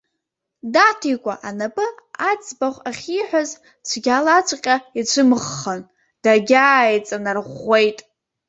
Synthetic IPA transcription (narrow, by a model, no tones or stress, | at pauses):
datʰikʷʼaʔanapʼɨat͡sʼbaχʷaχʲiħʷᶣaz | t͡ʃʷʰɡʲalat͡ʃʷʰʼqʲʼait͡ɕʷʰɨmʁːən | d̥aɡʲaːjt͡sʼanarʁʷe̞jtʼ